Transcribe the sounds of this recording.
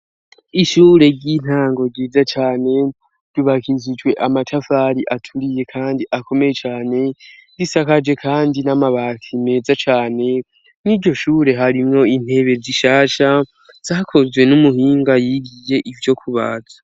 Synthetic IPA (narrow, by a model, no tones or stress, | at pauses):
iʃuːɾe̞ɟin̥haːŋɡo̞ɡiːzat͡ʃaːne̞̥ | ɟuβakizid͡ʒɡwe̞ʔamatʰafaɾiʔatʰuɾije̞kʰaːndiʔakʰo̞me̞je̞t͡ʃaːne̞zisakad͡ʒe̞kʰaːndinamaβakʰime̞ːzat͡ʃaːne̞ | niɾɟo̞ʃuːɾe̞ɦaɾimŋo̞in̥e̞βe̞ziʃaːʃa | z̥aːkʰo̞zwe̞numuhiːŋɡajiɡije̞ʔivjo̞kʰuβa̰ːzḁ